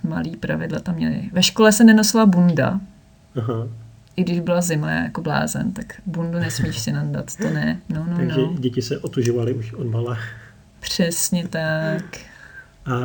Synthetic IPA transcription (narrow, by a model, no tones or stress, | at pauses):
ma̰liːpɾavɪdlat̪amɲɛ̰lɪ̰vɛʃkolɛsɛnɛnosɪlabunda̰ | aɦa | ʔɪɡdɪʒbɪlazɪmla̰ːjakobla̰ːzɛ̰nt̪akbundunɛsmiːʃsɪnanda̰t̪t̪onɛnonoaɡʒɛɟɛcɪsɛʔot̪uʒovalɪuʃodbalɛ | pr̝̥ɛsɲɛt̪ak | ʔa